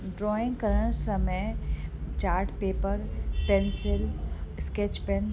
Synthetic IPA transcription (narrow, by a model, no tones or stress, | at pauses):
ɖɾɔːɪ̃ŋɡkəɾəɽ̃səməjt͡ʃaːɾʈpeːpəɾpensɪlsket͡ʃpɛn